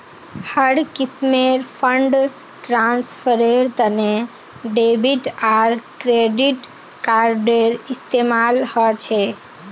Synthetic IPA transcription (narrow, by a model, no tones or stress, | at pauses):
həɽkismeɾpʰəɳɖ | ʈɾanspʰəɾeɾt̪əne | ɖebiʈaɾkɾeɖiʈ | kaɾɖeɾist̪emalhɔt͡ʃʰɛ